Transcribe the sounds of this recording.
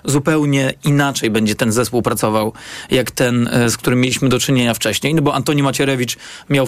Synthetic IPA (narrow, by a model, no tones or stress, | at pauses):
zupɛwɲɛinat͡ʂɛjbɛɲd͡ʑɛt̪ɛnzɛspuwpɾat̪sɔvawjakt̪ɛnskt̪uɾɘmʲːjelʲiɕmɘd̪ɔt͡ʂɘɲeɲaft͡ʂɛɕɲejnɔbɔʔant̪ɔɲimat͡ɕɛɾɛvʲit͡ʂ | mʲjaw